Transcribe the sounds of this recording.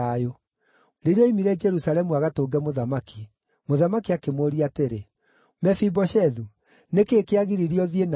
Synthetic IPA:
ajo | ɾeɾjɔimiɾɛd͡ʒɛɾusaɾɛmuaɣatoːɡɛmoðamaki | moðamakiakemoɾiateɾe | mɛfibɔʃɛðu | nekekeaɣiɾiɾiɔðien

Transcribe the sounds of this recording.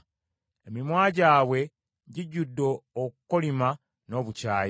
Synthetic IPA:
emimwaːɟaːwe̞ | ɟiɟudːoːkukolima | no̞ːβucaːj

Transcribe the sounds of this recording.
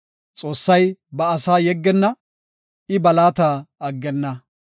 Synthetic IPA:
t͡sʼo̞ːsːɐjbɐːsaːjɛɡːɛnːɐ | ɪbɐlaːt̪aːɐɡːɛnːɐ

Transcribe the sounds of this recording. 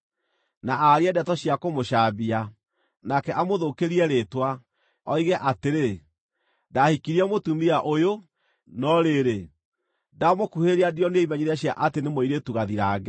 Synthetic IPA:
naʔaɾiɛdɛtɔɕjakomoʃaːbia | nakɛʔamoðokeɾiɛɾetwa | ɔiɣɛʔateɾe | dahikiɾiɛmotumiaʔojo | nɔɾeɾe | damokuheɾeadiɔneeimɛɲiɾaɕjaʔatenemoiɾetuɣaðiɾaːɣɛ

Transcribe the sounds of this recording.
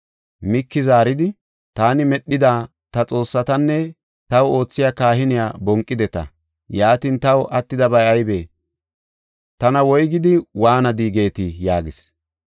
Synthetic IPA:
mɪkːɪzaːɾɪd̪ɪ | t̪aːnɪmɛɗːɪd̪aː | t̪ɐt͡sʼo̞ːsːɐt̪ɐnːɛ | t̪ɐwo̞ːt͡sːɪjakaːɦɪnɪjaːbɔŋkʼːɪd̪ɛt̪ɐ̰ | jaːt̪int̪ɐwʔɐt̪ːɪd̪ɐbɐjɐjbeː | t̪ɐnɐwɔjɡɪd̪ɪwaːnɐd̪iːɡe̞ːt̪ɪjaːɡɪs

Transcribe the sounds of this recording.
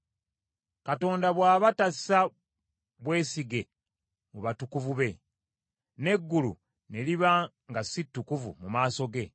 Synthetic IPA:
kato̞ːndaβwaːβatasa | βwe̞ːsiɡe̞ | muβatukuvuβe̞ | ne̞ɡːulṵ | ne̞liβa | ŋɡasitːukuvṵmumaːso̞ɡe̞

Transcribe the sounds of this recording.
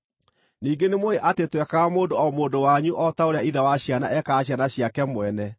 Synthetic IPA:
niːɡenemoeʔatetwɛkamoːndoɔmoːndowaɲuʔɔtaoɾeaiðawaɕjana̰ʔɛkaːɕjanaɕjakɛmwɛnɛ

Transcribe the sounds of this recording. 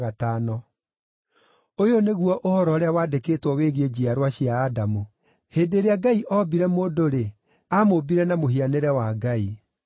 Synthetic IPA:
ɣatanɔ | ojoneɣuɔʔohɔɾɔːɾeawaːdekeːtwɔweɣed͡ʑiaɾwaɕiaːdamu | heːdeɾeaɡaiʔɔbiɾɛmoːdoɾe | amobiɾɛnamoɦianeɾɛwaɡai

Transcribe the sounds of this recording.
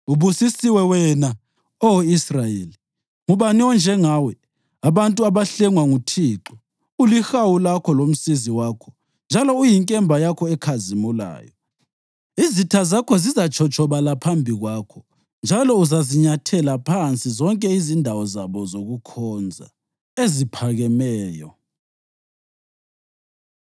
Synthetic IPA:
uβusisiwɛwɛna | owisrajeːli | ŋuβaniɔnd͡ʒʱɛŋaːwɛ | aβantʼuaβaɬɛŋwaŋutʰiːǁɔ | ulixawulakʰɔlom̩siziwaːkʰɔ̥ | nd͡ʒʱalɔujiŋkʼɛmbʱajakʰɔɛkʰazimula̰ːjɔ | izitʰazakʰɔzizat͡ʃʰɔt͡ʃʼʰɔβalapʰambʱiɣwaːkʰɔ | nd͡ʒʱalɔuzaziɲatʰɛlapʰant͡sʼizɔŋkʼɛizindʱawɔzaβɔzoɣukʰɔnd͡zʱa̰ | ezipʰaɣɛmɛːjɔ̰

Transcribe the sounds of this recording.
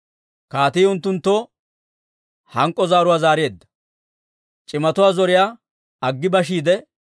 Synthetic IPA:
kaːt̪iːʊnt̪ːʊnt̪ːo | hɐŋkʼːɔzaːɾʊwaːzaːɾɪjeːd̪ːɐ̥ | t͡ʃʼɪmɐt̪ʊwaːzɔɾɪjaː | ɐɡːɪbɐʃiːd̪ɛ

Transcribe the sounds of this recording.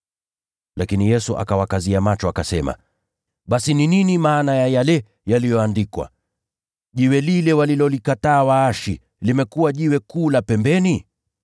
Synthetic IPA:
lʔakinijɛsuʔa̰kawakaziamat͡ʃɔakasɛma̰ | ɓasinininimaːnajajalɛ | jalijɔandikwa̰ | ʄiwɛlilɛwalilɔlikataːwaaʃḭ | limɛkuwaʄiwɛkuːlapɛmbɛni

